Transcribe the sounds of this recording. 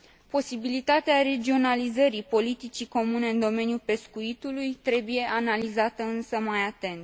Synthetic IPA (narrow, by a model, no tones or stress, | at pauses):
po̞sibilit̪at̪eaɾe̞d͡ʒio̞nalizəɾipo̞lit̪it͡ʃiko̞mune̞ɨnd̪o̞me̞njupe̞skuit̪ulujt̪ɾe̞buje̞ʔanalizat̪əɨnsəmajat̪e̞nt̪